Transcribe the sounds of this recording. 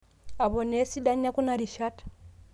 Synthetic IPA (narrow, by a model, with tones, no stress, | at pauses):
a˨βo˨ne˦si˦da˦ɲa˦ku˦na˦ɾi˨ʃa˦t